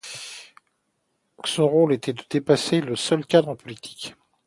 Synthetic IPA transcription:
sɔ̃ʁolet̪ʰɛd̪əd̪epaseləsœlkʲad̪ʁɑ̃pɔlit̪ʰi̥k

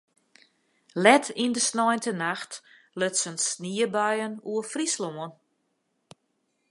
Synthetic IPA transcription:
lɛtʰindəsnɔjntʰənaxt | løtsənsniəbœjənuəfrisloən

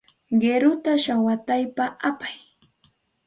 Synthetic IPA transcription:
ɢeɾʊt̪aʃawat̪ajpaʔapaj

